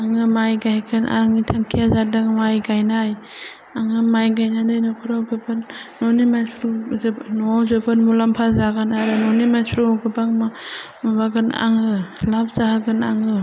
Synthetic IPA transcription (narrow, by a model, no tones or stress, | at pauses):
aŋɯmajɡajɡʰɯna̰ŋitʰaŋkʰijazadaŋmajɡajnaj | aŋɯmajɡajnadɯjnɔkʰɯɾawɡɯbanːɔnimaspʰɾnɔwzɯbɯnmulampʰazaɡanaɾɯnɔnimaspʰɾuɡɯbaŋma | mabaɡɯna̰ŋɯlab̚zaɦaɡɯnaŋɯ